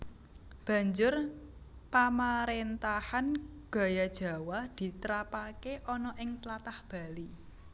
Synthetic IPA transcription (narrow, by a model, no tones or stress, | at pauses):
b̥ä̤ɲd͡ʒʊrpamaɾent̪ahanɡ̥a̤jad̥ʒ̥a̤wad̪̥i̤t̪əɾapakeʔɔnɔʔɪŋp̪lat̪ahb̥a̤li